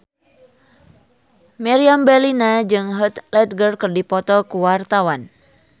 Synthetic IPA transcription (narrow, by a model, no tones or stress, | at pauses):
mɛɾiambɛlinad͡ʒɨŋɦət̪lɛt̪̚ɡərkɨrdipɔt̪ɔkuwart̪awan